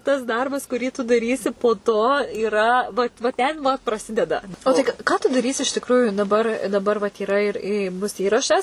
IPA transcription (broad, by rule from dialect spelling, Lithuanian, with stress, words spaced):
tɐs ˈdɐrbɐs kʊˈrʲiː tʊ dɐˈrʲiːsʲɪ poː toː iːˈrɐ ʋɐt ʋɐ tʲɛn ʋɐ prɐˈsʲɪdʲɛdɐ oː ˈtɐɪ kɐ ˈkɑː tʊ dɐˈrʲiːsʲɪ ɪʃ tʲɪkˈruːjʊ dɐˈbɐr dɐˈbɐr ʋɐt iːˈrɐ ɪr ɪ ˈbʊs ˈiːrɐʃɐs